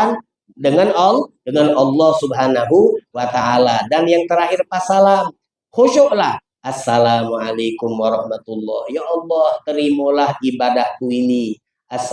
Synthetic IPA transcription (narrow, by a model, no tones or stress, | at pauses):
an | dəŋanaldəŋanɑlːɔhsubɦanaɦuwat̪aʔaladanjaŋt̪əɾaɦɪrpasalam | xoʃoʔlah | ʔasːalamuʕalejkumwaɾɔhmat̪ulːɔ̰hjaʔːlːɔht̪əɾimolahibadahk̪uini | ʔas